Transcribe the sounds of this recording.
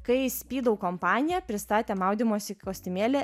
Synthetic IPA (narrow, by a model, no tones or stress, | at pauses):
kɐɪsʲpʲiːd̪ɐʊkompɑːnʲɪjɛpʲɾʲɪst̪ɑːt̪ʲeːmɑʊd̪ʲimoːsʲɪkoːsʲt̪ʲɪmʲeːlʲe